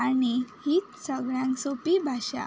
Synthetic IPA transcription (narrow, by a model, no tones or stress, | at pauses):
añihiːt̪səɡɭjãŋksopibʱaɕa̰